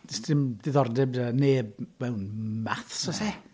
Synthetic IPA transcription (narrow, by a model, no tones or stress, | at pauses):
ɪstɪmd̥ɪðɔrdɛbaneːb̚mɛwnmaθsɔsɛ